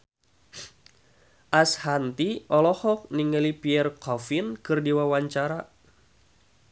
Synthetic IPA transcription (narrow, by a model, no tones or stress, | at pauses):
ʔashant̪iʔɔlɔhɔk̚niŋəlipiɛrkɔfinkɨrdiwawaɲt͡ʃaɾa